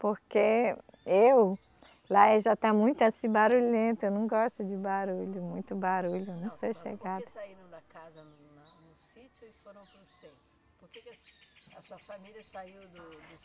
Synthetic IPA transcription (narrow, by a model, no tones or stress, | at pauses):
poɾke | ew | laɛʒat̪amũj̃t̪ʊasĩbaɾuʎẽnt̪ʊewnɐ̃w̃ɡɔʃt̪ʊd͡ʒɪbaɾuʎʊmũj̃t̪ʊbaɾuʎʊnɐ̃w̃sejʃḛɡad̪ʊaiɾɐ̃w̃d̪ɐkazɐ | nʊsit͡ʃʊifoɾɐ̃w̃kũset̪ | poɾkekɐsuɐfamilɐsaiwd̪ʊ